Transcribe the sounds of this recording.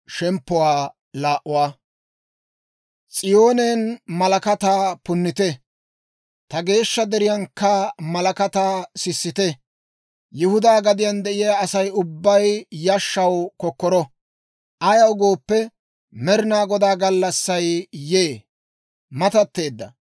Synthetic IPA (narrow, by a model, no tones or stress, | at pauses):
ʃɛmpːʊwaː | laːʔʊwaː | t͡sʼɪjo̞ːneːnmɐlɐkɐt̪aːpʊnːɪt̪ɛ | t̪ɐɡe̞ːʃːɐd̪ɛɾɪjɐnkːɐmɐlɐkɐt̪aːsɪsːɪt̪ɛ | jʊhʊd̪aːɡɐd̪ɪjɐnd̪ɛʔɪjaːsɐjʊbːɐjjɐʃːɐwkɔkːɔɾɔ | ʔɐjɐwɡoːpːɛ | mɛɾɪnaːɡɔd̪aːɡɐlːɐsːɐjjeː | mɐt̪ɐt̪ːe̞ːd̪ːɐ̰